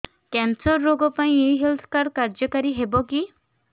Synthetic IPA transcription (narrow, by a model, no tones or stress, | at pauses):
kɛnsɔɾːoɡɔpaĩeɦelt̪ʰɔ̥kaɾɖ̚kaɾd͡ʒɔkaɾiɦebɔki